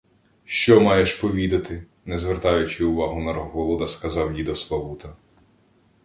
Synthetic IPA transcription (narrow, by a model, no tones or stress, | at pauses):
ʃt͡ʃɔmɑjeʃpɔʋʲid̪ɐt̪ɪ | nɛzʋert̪ɑjʊt͡ʃɪʊʋɑɦʊnɐɾɦɔlˠɔd̪ɐskɐzɑwjid̪ɔslˠɐʋut̪ɐ